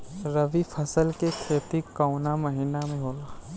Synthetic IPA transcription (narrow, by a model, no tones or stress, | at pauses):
ɾəʋipʰəsəlkekʰɾeːt̪ikːaʊnaməɦinamẽɦoːla